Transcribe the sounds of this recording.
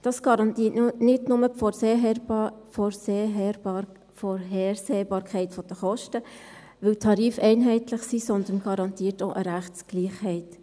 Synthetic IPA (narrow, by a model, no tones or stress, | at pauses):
d̥ɑsɡ̥ɑɑntinɪdnʊməpfɔse | fɔɾseː | fɔɾɦɛːrseːbɑːɾkʰɛɪtfɔd̥əχɔʃtə | ʋɪltʰɑɾiːfɛɪnɦɛɪtlɪχsiːsɔnd̪ən̩ɡ̥ɑɾɑntiːtoʔəɾæχtsɡ̥liːχhɛɪt